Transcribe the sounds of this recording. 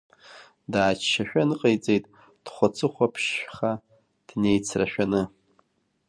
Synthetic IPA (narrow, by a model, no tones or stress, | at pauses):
daːt͡ʃːaʃᶣanɨqʼejt͡sʼejtʼ | d̥χʷat͡sʰɨχʷapʰʃχa | d̥ne̞jt͡sʰraʃᶣanɨ